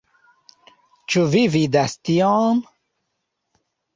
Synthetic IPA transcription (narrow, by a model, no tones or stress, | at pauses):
t͡ɕuvivid̪ast̪ijɔːn